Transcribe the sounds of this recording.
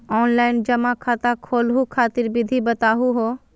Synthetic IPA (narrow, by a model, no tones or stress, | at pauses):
ɔːnlaːɪnd͡ʒɐmãkʰaːt̪ãkʰoːlɦukʰaːt̪ɪɾbɪd̪ʱibɐt̪aːɦuɦoː